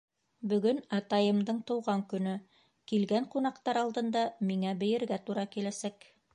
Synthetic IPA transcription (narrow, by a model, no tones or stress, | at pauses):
bɵ̆ɡɵnɑt̪ɑjɤ̆md̪ɤɴt̪ɤ̆wʁɑŋkɵ̆nɵ | kilɡæɴqunɑqt̪ɑɾɑlˠd̪ɤ̆nd̪ɑmiŋæbɘ̆jɘ̆ɾɡæt̪uɾɑkilæsæk